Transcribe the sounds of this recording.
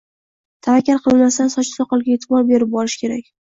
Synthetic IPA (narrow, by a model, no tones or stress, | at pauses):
t̪ʰavakʲːaɾqʰɨlˠmast̪ansɒt͡ʃʰɪ̥sɒqɒlˠɡʲaet̪ʰɪbɒɾbe̞ɾɪp̚bɒlɪʃkʲe̞ɾakʲ